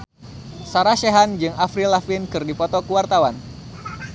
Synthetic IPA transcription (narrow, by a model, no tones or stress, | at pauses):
saɾaʃeɦand͡ʒɨŋafɾilafinkɨrdipɔt̪ɔkəwart̪awan